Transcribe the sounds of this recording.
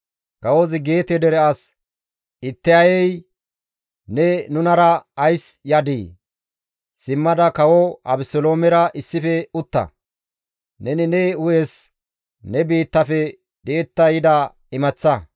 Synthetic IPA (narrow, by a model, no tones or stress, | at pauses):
kɐwozɪɡeːt̪ɛd̪ɛɾɛʔas | ɪt̪ːɪɐjɛj | nɛnʊnɐɾɐːjsjɐd̪ḭː | sɪmːɐd̪ɐkɐwoɐ̰bɪsɔlo̞ːmɛɾɐʔɪsːɪfɛʊt̪ːɐ̰ | nɛnɪnɛʊjɛs | nɛbiːt̪ːɐfɛ | d̪eːt̪ːɐjɪd̪ɐ | ɪmɐt͡sːɐ